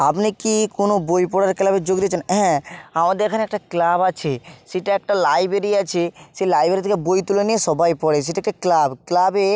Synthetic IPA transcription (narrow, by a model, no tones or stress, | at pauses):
apnikikonobojpɔɽaɾklabed͡ʑoɡd̪iat͡ɕʰenɛɦamad̪eɾkʰaneɛkʈaklabat͡ɕʰeʃeʈaɛk̚ʈalajbɾeɾiat͡ɕʰeselajbʱeɾit̪ʰekebojt̪ulenieʃɔbajpɔɽes̬ejʈaɛk̚ʈaklabklabe